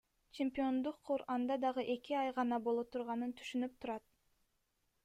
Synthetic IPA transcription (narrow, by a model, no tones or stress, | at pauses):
t͡ʃemʲpʲio̞nd̪uqʰːuɾɑnd̪ɑd̪ɑʁɯʔe̞kiɑjʁɑnɑbolˠot̪ʰuɾʁɑnɯnt̪ʰy̥ʃynyp̚t̪ʰuɾɑt̪̚